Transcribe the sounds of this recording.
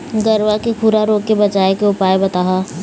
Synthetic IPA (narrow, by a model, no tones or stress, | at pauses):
ɡɐɾʋakekʰuːɾaɾoːkːebɐt͡ʃaːekeʊpaːebɐt̪aːɦaː